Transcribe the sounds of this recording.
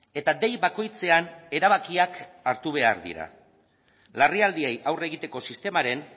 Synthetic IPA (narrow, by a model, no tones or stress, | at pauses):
e̞t̪ad̪e̞jβako̞jt͡se̞ane̞ɾaβ̞akiakaɾt̪uβ̞e̞a̰ɾðḭɾa̰ | lariald̪iejʔawre̞ɣit̪e̞ko̞sist̪e̞maɾe̞n